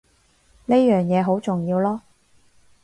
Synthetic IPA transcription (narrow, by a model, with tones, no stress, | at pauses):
ne˥jjœː˨˩ŋjɛː˨˧ɦo˨˥wt͡sʊ˨˩ŋjiː˧wlɔː˥